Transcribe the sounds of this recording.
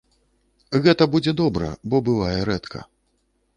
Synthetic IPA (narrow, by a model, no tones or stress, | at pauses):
ɣɛt̪ɐbud͡zʲɛd̪ɔbɾɐ̰bɔbɨvajɛɾɛt̪kʰɐ̰